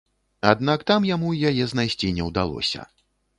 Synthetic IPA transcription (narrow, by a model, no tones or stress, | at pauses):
a̰d̪nakt̪amjamujajɛznajsʲt͡sʲinʲɛwd̪alˠɔ̰sʲɐ̰